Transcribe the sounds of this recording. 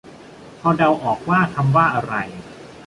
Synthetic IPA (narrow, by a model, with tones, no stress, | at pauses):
pʰɔː˧da˧wʔɔː˨˩k̚waː˥˩t̪ʰa˧mwaː˥˩ʔa˧ɾa˧j